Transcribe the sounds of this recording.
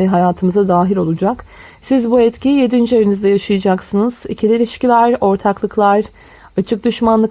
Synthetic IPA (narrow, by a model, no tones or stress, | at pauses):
ɦajaːt̪ʰɯmɯzad̪aːɦilʲo̞lˠud͡ʒak | sizbuɛt̪cʰijed̪ind͡ʒyajynyzd̪ɛjaʃɯjɯd͡ʒaksɯnɯz̥icʰilʲilʲiʃcilʲæɾo̞ɾt̪ʰaklˠɯklˠaɾ | at͡ʃʰɯk̚d̪yʃmanlˠɯ